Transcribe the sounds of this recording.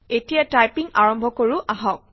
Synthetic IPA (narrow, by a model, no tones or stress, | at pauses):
etijatajpiŋaɹɔmbʱɔkoɹʊʔaɦɔk̚